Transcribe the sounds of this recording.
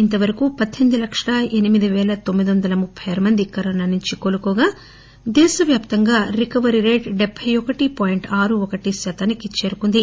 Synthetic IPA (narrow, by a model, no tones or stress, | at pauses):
int̪ɐʋɐɾɐkupɐd̪ʱːend̪ilɐkʂɐɭɐenimid̪iʋɛːlɐt̪o̞mːid̪ʋɐnd̪ɐlɐmupʰːɐjɐːɾɐmɐnd̪ikːɐɾɐːnɐnuɲt͡ʃikoːlukɔːɡaː | d̪ɛːʃɐʋjaːpt̪ɐŋɡaːɾikɐʋɐɾiɾeːʈɖebʱːɐjɔkɐʈipɔːjiɳʈaːɾuɔkɐʈisɐt̪ɐnikit͡ʃeːɾukund̪i